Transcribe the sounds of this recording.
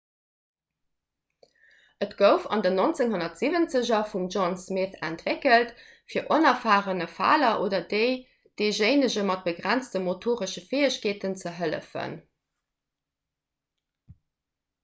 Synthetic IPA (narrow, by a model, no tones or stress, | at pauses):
ʔətɡ̥əʊfɑ̰ndənont͡seŋɦonɐtz̥ivənt͡səʑɐfumʒonsmeːθæ̰ntvekəlt | fiːɐʔonɐfaːʁənəfa̰ːlɐʔoːdɐdəɪ | d̥eɪʒeɪnəʑəmɑt̚b̥əɡʁænt͡stəmotʰoːʁəʃəfeːəɕkeːtənt͡səɦələ̰fə̰n